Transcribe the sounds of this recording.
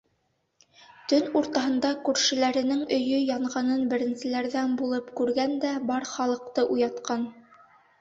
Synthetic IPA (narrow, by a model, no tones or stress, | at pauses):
t̪ɵnuɾt̪ɑɦɤ̆nd̪ɑkʉɾʃɘ̆læɾɘ̆nɘŋɵ̆jɵjɑɴʁɑnɤnbɘ̆ɾɘ̆nsɘ̆læɾðænbulˠɤpkʉɾɡænd̪æbɑɾχɑlˠɤ̆q̚t̪ɤʔujɑt̪qɑn